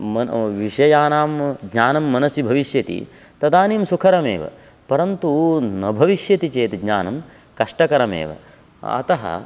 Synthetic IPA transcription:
mɐʋiʂɐjaːnaːmɡɲaːnɐmːɐnɐsibʱɐʋiʃjɐt̪ḭ | t̪ɐd̪aːniːmsukʰɐɾɐmḛːʋɐ̰ | pɐɾɐnt̪unɐbʱɐʋiʃjɐt̪it͡ʃeːt̪ɡɲaːnɐm | kɐʂʈɐkɐɾɐmḛːʋɐ̰ | ɐ̰t̪ɐɦɐ̰

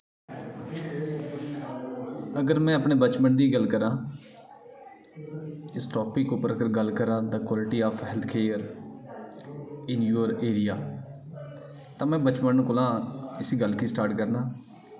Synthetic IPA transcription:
əɡəɾmɛ̃ːəpɳeːbət͡ʃməɳd̪iːɡəlkəɾãː | ɪsʈɔːpɪkʊpəɾəkəɾɡəlkəɾãːd̪əkwaːlɪʈiːaːpʰɦɛlt̪ʰkʰeːəɾ | ɪnd͡ʒuːɾeːɾijaː | t̪ãːmɛ̃ːbət͡ʃməɳkʊlãːɪsiːɡəlkiːsʈaːɾʈkəɾnaː

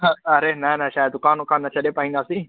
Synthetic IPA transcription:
ɐɾeːnanaʃaːjd̪ʊkaːnʊkaːnːɐt͡ʃʰəɗeːpaːɦĩːnd̪aːsiː

